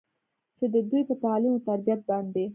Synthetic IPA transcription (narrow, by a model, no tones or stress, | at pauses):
t͡ʃed̪əd̪ujpət̪alimot̪aɾbijat̪̚bɑnd̪e